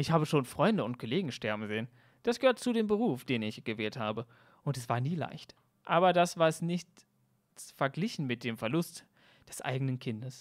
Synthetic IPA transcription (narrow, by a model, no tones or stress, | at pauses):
ʔɪçhaːbəʃoːnfʁ̥ɔʏndəʊnt̚kʰoleːɡŋ̩ʃtɛɐbm̩zeːən | d̥asɡ̥əhøːɐtt͡sudeːmbəʁ̞uːfd̥eːnɪçɡ̥əvɛːlthaːbə | ʔʊntɛsv̥aːɐniːla̰ɪçt | ʔaːbɐdasv̥aːɛsnɪçt | fɛɐɡlɪçn̩mɪt̚d̥eːmfɛɐlʊst | d̥ɛsʔa̰ɪɡənənkʰɪndəs